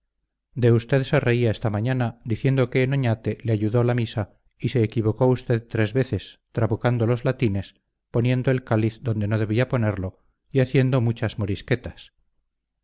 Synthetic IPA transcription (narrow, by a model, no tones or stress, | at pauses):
d̪e̞ust̪e̞ðse̞re̞iaest̪amãɲanad̪iθje̞nd̪o̞ke̞ːno̞ɲat̪e̞leaʝuðo̞lamisa | ise̞ːkiβ̞o̞ko̞ust̪e̞ðt̪ɾe̞zβe̞θe̞st̪ɾaβukand̪o̞lo̞zlat̪ine̞s | po̞nje̞nd̪oe̞lkaliθd̪o̞nd̪e̞no̞ð̞e̞β̞iapo̞ne̞ɾlo̞ | iaθje̞nd̪o̞mut͡ʃazmo̞ɾiske̞t̪as